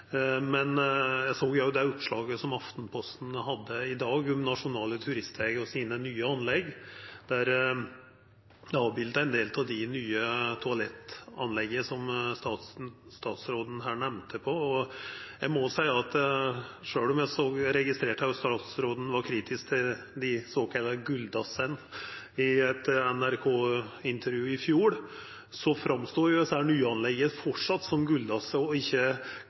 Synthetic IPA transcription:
mɛnjæɪsoːɡjæjʊd̪ɛɔpʂɭɑːɡəsɔmɑft̪n̩pʰɔst̪n̩hɑd̪ːəɪd̪ɑːɡɔmnɑʂʊnɑːlət̪ʰʉɾɪst̪ʋɛːɡəɔsiːnənyːəɑnlɛɡːd̪æɾ | d̪ɛɑːʋbɪld̪əæɛnd̪eːlt̪ʰɑd̪ɪnyːət̪ʰʊɑlɛt̪ɑ̰nlɛɡːəsɔmst̪ɑst̪ɑːt̪sɾoːd̪n̩ɦæːɳæʋnt̪ʰəpʰɔɔjæɪmɔsæɪəɑt̪ | ʂøːlɔmjæɪsoːɡɾɛɡɪst̪ɾeːʈɑjʊst̪ɑːt̪sɾoːd̪n̩ʋɑɾkʰɾiːt̪ʰɪskt̪ʰɪl | d̪ɪsoːkʰɑlːɑɡʉld̪ɑsən | ɪɛt̪ɛnæɾkʰoːɪnt̪ʰəɾjʉːɪfjuːɽ | sɔfɾɑmst̪uːɾʊɛsəæːɳyːəɑnlɛɡːəfɔʈʂɑt̪ːsɔmɡʉld̪ɑsəɔɪçːə

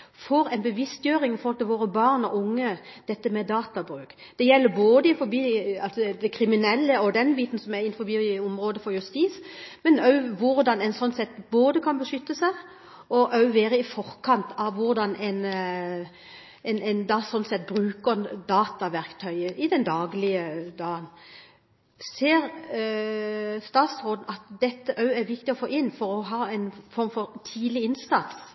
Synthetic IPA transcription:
fɔɾɛɪnbəʋɪst̪jøːʁɪŋɪfɔlt̪əʋoːɾəbɑʁnɔʔʊŋːəd̪̥ɛt̪ːəmɛd̪ɑːt̪ɑbʁʉːk | d̪̥ɛjɛlːəboːd̪əɪfɔbiːɑlsɔd̪ɛkʰɾɪmɪnɛlːəɔd̪ɛnbiːt̪n̩sɔmæɾɪnfɔbiːʊmʁoːd̪əfɔɾjʉst̪iːsmɛnœʉʋʊɾd̪ɑnɛɪnsɔnːsɛt̪ːboːd̪əkʰɑnbəʂʏt̪ːəsæɪ | ɔʔɑʉʋeːɾəɪfɔʁkʰɑnt̪ʰɑʋʋʊɾd̪ɑnʔɛɪn | ɛnɛnd̪ɑsɔnsɛt̪̚bɾʉːkəʁd̪ɑːt̪ɑʋæɾkt̪ʰœʏəʔɪd̪ɛnd̪ɑːɡlɪəd̪ɑːən | seːɾ | st̪ɑːt̪sʁoːd̪n̩ɑt̪d̪ɛt̪ːəʔɑʉæɾʋɪkt̪ɪɔfoːʔɪnfɔɾɔɦɑːɛɪnfɔɾmfɔɾt̪ʰiːd̪lɪɪnsɑt̪s

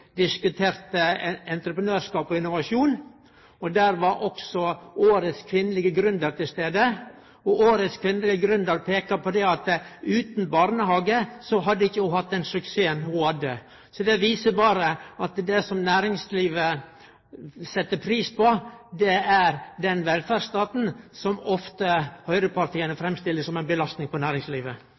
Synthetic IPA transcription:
d̪ɪskʉt̪ʰeːɾt̪əɛnt̪ɾəpɾənøːɾʂkɑːpɔɪnːʊʋɑʂuːn | ɔd̪æɾʋɑɾʔɔksɔoːɾət̪skʰʋɪnːəlɪɡəɡɾʉnd̪əɾt̪ɪlst̪eːd̪ə | ɔʔoːɾət̪skʰʋɪnəlɪɡəɡɾʉnd̪əɾpʰeːkɑpʰɔd̪ɛɑt̪ʉːt̪nbɑɾnəhɑːɡəsɔɦɑd̪ːəɪçːəjʊhɑt̪̚d̪ɛnsʉkseːənhʊhɑd̪ːə | sɔd̪ɛʋiːsəbɑːɾəɑt̪d̪ɛsɔmnæːɾɪŋsliːʋə | sɛt̪ːəpʰɾiːspɔd̪ɛæɾd̪ɛnʋɛlfæɾst̪ɑːt̪n̩sɔmɔft̪əhœʏɾəpɑɾʈ̪ʰiːənəfɾɛmst̪ɪlːəsɔmæɪnbəlɑst̪nɪŋpʰɔnæːɾɪŋsliːʋə

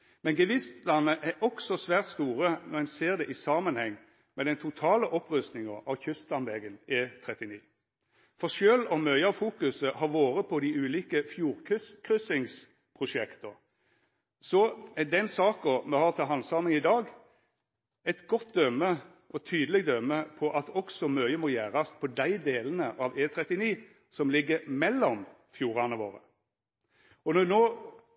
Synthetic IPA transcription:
mɛnɡəʋɪst̪lɑnːəʔæʔɔksɔsʋæːʁt̪st̪uːʁənɔʁɛnseːʁd̪ɛʔɪsɑmənhɛŋː | mɛd̪ɛnt̪ʰʊt̪ʰɑːləʔɔpʁʉst̪nɪŋəɑʋçʏst̪lɑnʋɛɡənɪt̪ʰʁɛt̪ɪniː | fɔʁʃøːlɔmœʏɑʋfuːkʉsəhɑʁʋoːɾəpʰɔd̪ɪʉːliːkəfjuːʁkʰʏskʰʁʏsɪŋs | pʰʁʊʂɛkt̪ə | sɔɛd̪ɛnsɑːkɔmɛhɑːʁt̪ʰɑlɦɑnsɑmɪŋɪd̪ɑːɡ | ɛt̪ɡɔt̪̚d̪œmːə | ʔɔt̪ʰyːd̪əlɪɡd̪œmːəpʰɔʔɑt̪ɔksɔmœʏəmɔjæːɾɑspʰɔd̪æɪd̪eːlənəʔɑʋeːt̪ʰʁɛt̪ːɪniː | sɔmlɪɡːəmɛlːɔm | fjuːʁɑnəʋo̰ːɾə | ɔnɔd̪noː

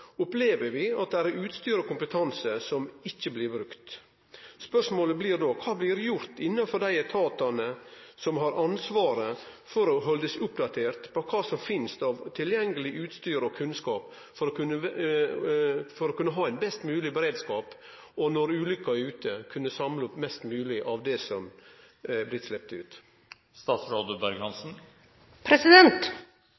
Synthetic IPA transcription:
ʊpleːʋəɾʋɪɑ̰t̪̚d̪æɾʉːt̪st̪yːɾəkʊmpət̪ʰɑnsəsɔmɪçːəblɪɾbɾʉkt̪ | spœʂmoːləblɪɾd̪oːkʰɑːblɪɾjʊɾt̪ɪnːɑfɔd̪æɪt̪ʰɑːt̪ɑnəsɔmɦɑɾʔɑnsʋɑːɾəfɔɾɔɦɔld̪əsʊpd̪ɑt̪ʰeːɾt̪pʰɔkʰɑːsɔmfɪnst̪ɑʋt̪ʰɪljɛŋːəlɪʔʉːt̪st̪yːɾɔkʰʉnskɑːp | fɔɾɔkʰʉnə | fɔɾɔkʉnːəɦɑːæɪnbɛst̪mʉːlɪbəɾeːd̪skɑːp | ɔnɔɾʉːlʏkːɑʉːt̪ʰəkʰʉnːəsɑmlʊpmɛst̪mʉːlɪʔɑʋd̪ɛsɔm | æblɪt̪slɛp̚t̪ʉ̰ːt̪ | st̪ɑːt̪sɾɑːd̪ʉbæɾɡhɑnsn̩ | pʰɾɛsɪd̪ɛnt̪

